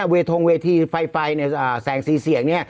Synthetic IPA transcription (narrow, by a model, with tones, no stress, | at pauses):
weː˧t̪ʰo˧ŋweː˧t̪ʰiː˧fa˧jfa˧jn˧˩ʔəː˨˩sɛː˩˦ŋsiː˨˦si˨˩˦əŋni˥˩ɐ